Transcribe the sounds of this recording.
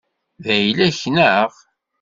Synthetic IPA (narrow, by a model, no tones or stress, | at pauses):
ðæjlæçnəʁ